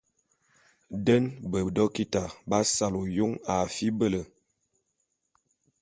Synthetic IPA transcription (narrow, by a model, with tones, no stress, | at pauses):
də˦nbə˨dɔ˦ki˦ta˨ba˦sa˦lo˨jo˦ŋa˨fi˦bə˦lə˨